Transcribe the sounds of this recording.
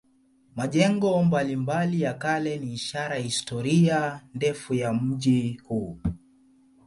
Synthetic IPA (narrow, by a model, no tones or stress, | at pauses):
maʄɛŋɡɔmbalimbalijakalɛniːʃaɾahistɔɾiandɛfujam̩ʄihuː